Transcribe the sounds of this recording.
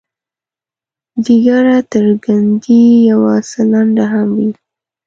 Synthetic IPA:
diɡaɾat̪əɾɡand̪ijawasəlaɳɖaɦamwi

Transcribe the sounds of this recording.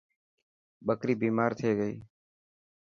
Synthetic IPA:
ɓəkɾiːbiːmaːɾt̪ʰeːɡəḭː

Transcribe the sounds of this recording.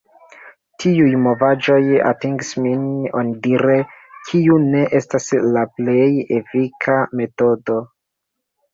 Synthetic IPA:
tʰiujmo̞vad͡ʒo̞ja̰tiŋɡsminondiɾe̞kʰiune̞ʔe̞staslaple̞jefikʰame̞to̞do̞

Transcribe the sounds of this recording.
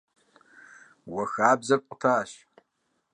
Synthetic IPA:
wɐxaːbzɐpʷʼtʰaːʃ

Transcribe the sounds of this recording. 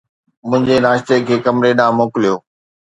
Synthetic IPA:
mʊ̃ɦɪ̃ɲd͡ʑenaːʃt̪ekʰeːkɐmɾeɗãːmoːkɪlijoː

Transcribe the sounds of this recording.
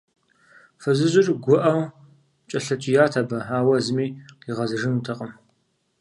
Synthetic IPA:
fɐzɨʑɪrɡʷʊʔɐw | t͡ʃʼɐɬɐt͡ʃʼijaːtʰabɐaːwɐzɨmiːiʁɐzɨʐɨntʰɐqʼəm

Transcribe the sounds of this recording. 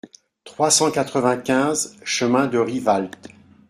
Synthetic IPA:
t̪χwasɑ̃kat̪χəvɛ̃kʲɛ̃zʃəmɛ̃d̪əʁivalt̪

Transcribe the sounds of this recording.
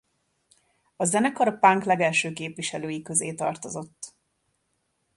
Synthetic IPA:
ɒzɛnɛkɒɾɒpaŋklɛɡɛlʃøːkeːpʋiʃɛløːjikø̞zeːt̪ɒ̰rt̪o̞zo̞t̪ː

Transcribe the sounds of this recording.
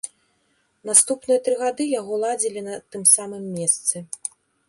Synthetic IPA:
nast̪upnɨjɐt̪ɾɨɣad̪ɨjaɣɔlˠad͡zʲilʲinɐt̪ɨmsamɨmːʲɛst̪sɨ

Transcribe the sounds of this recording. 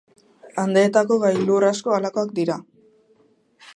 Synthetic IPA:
and̪e̞ːt̪ako̞ɣajlurasko̞alako̞akd̪iɾa

